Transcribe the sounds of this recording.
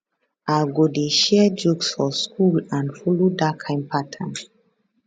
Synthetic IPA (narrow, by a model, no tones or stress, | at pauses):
aɡodeʃɛd͡ʒoksfɔskʰulãnfulodakʰãɪ̃mpʰatʰə̃n